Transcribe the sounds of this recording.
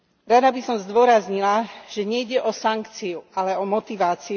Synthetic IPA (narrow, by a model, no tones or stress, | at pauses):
ɾad̪abisɔmzd̪ʊɔɾazɲilaʒ̥ɛɲɛjɟɛʔɔsaŋkt͡siualɛɔmɔt̪iʋaːt͡si